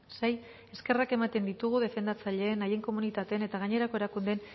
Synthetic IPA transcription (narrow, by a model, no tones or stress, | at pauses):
saj | e̞ske̞rake̞mat̪e̞nd̪it̪uɣ̞uð̞e̞fe̞nd̪at͡saʎe̞ːnaje̞ŋko̞munit̪at̪e̞ne̞t̪aɣaɲe̞ɾako̞e̞ɾakund̪e̞n